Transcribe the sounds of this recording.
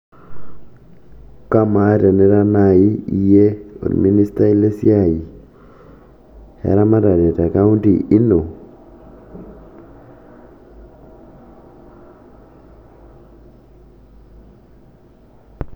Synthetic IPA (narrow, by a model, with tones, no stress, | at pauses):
ka˦ma˨˦da˨nɛ˦ɾa˦na˨i˦i˨je˦o̰˨dmi˦ni˦sta˦i˦le˦sja˦˨i˨ | ha̰˨ɾa˦ma˦da˨de˨ta˨ka˦u˦nti˨ʔi˦no˨